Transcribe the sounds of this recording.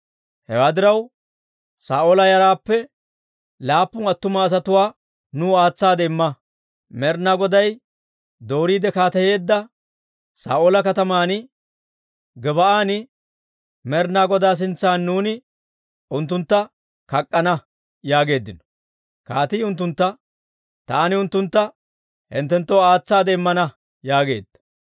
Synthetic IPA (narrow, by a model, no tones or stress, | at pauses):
hɛ̰waːd̪ɪɾɐw | saːʔoːlɐjɐɾaːpːɛ | laːpːʊnɐt̪ːʊmɐːs̬ɐt̪ʊwaː | nʊaːt͡sːaːd̪ɛɪmːɐ | mɛɾnaːɡɔd̪ɐj | d̪o̞ːɾiːd̪ɛkaːt̪ɐje̞ːd̪ːɐ | sa̰ːʔoːlɐkɐt̪ɐmaːnɪ | ɡɛbɐʔaːnɪ | mɛɾnaːɡɔd̪aːs̬ɪnt͡sːaːnːuːnɪ | ʊnt̪ːʊnt̪ːɐ | kɐkʼːɐnɐ | jaːɡe̞ːd̪ːɪnɔ̥ | kaːt̪ɪjʊnt̪ːʊnt̪ːɐ | t̪aːnɪʊnt̪ːʊnt̪ːɐ | hɪ̰nt̪ːɛnt̪ːoaːt͡sːaːd̪ɛɪmːɐnɐ | jaːɡe̞ːd̪̥ːɐ̥